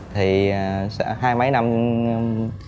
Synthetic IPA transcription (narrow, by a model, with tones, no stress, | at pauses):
t̪ʰi˨˩sɦaː˧jmə˨˦jna˧m